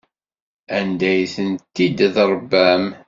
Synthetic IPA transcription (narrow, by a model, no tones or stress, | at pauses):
ænd̪æjθənt̪ːid̪ðəɾˤbæm